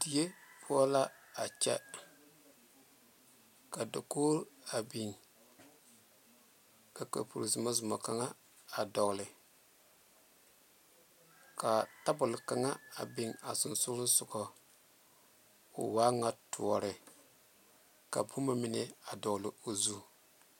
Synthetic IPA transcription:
d̥i˨je˦pʰu˦ɔ˦la˦a˨t͡ʃɛ̰˦ | ka˨do˨ko˦ɾa˨bi˨ŋ | ka˨ka̰˨pṵ˨ɾi˨zi˨ma˦zʊ˨ma˨ka˦ŋa˦ | a˨dɔ˨ɣlɪ˨ | ka˨ta˦bʊ˨lɪ˨ka˨ŋa˦a˨bi˨ŋa˨sʊ˨n˨sʊ˦ɾɪ˦n˦sʊ˨kɔ˨ | ʊ̰˨waː˦ŋa˦tʰu˨ɔ˨ɾɪ˨ | ka̰˨bu˦ma˦mɪ˨nɛ˦a˨dɔ˨ɡlɪ˨o˨zu˦

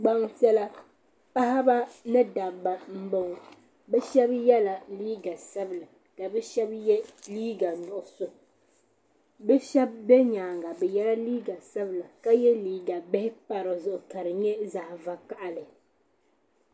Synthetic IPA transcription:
ɡ͡ba˦ŋtɛ˦la˦ | pa˦ha˦ba˦nɨ˦da˨ba˨m̩˦bo˦ŋ˨ | bɛ˦ʃɛ˦bjɛ˦la˨liː˦ɡa˨sɛ˦bla˨ | ka˨bɛ˦ʃɛ˦bjɛ˦liː˦ɡa˨nʊ˨ʔʊ˨sʊ˨ | bɛ˦ʃɛ˦b̚ːɛ˦ɲaː˨ŋɡa˨bɛ˨jɛ˦la˦liː˦ɡa˨sɛ˦bɨ˨la˨ka˦jɛ˦liː˦ɡa˨bɛ˦hɪ˦pa˦ɾo˨zʊ˨ʔʊ˨ka˨ɾɨ˨ɲɛ˦za˨hva˨ka˦ʔa˨lɨ˨

